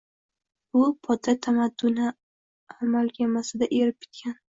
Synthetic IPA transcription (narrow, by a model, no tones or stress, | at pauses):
bʊpʰɒt̪ʰat̪ʰamad̪ːʊnɪ | amalkʲʰamasɪd̪aʔe̞ɾɪp̚kʲʰɪ̥t̪kʲan